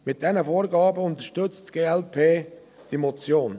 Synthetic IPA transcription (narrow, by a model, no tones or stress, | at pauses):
mɪt̚d̥ɛnəfoːɾɡɑːbəʊnt̪əʃtʏt͡stɡ̥eːɛlpʰeː | d̥imɔt͡sjoːn